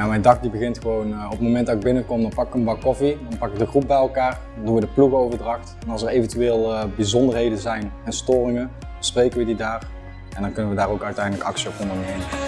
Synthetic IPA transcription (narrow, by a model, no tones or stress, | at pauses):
jamɛjndɑk̚dibəɣɪntxəʋownɔpmowmɛntdɑtɪɡ̚bɪnəkɔmdɑnpɑkɪ̥kənbɑkɔfidɑnpɑkɪk̚dəɣrup̚bɛjɛlˠkaːɹdɑnduʋədəpluɣəowvəɹdrɑxtɛnɑlˠsɛrejvəntyʋeːlˠbizɔndərɹɦejdənzɛjnɛnstoːrɪŋən | əsprejkənʋədidaːr | ɛndɑnkɵnənʋədaːrowkœɥtɛjdələkɑ̰ksiɔpɔndəɹnejmə